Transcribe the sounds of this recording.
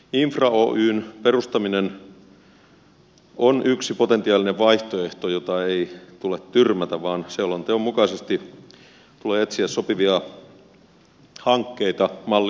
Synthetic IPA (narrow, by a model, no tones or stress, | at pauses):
iɱfrɑo̰ːʔyːnperust̪ɑminen | onʔyksipot̪ent̪iɑːlineʋʋɑiht̪oeht̪ojot̪ɑeit̪ulet̪tyrmæt̪æʋɑːnseolːont̪eommukɑisest̪i | t̪uleːet̪siæssopiʋiɑ | hɑŋkːeit̪ɑmɑlː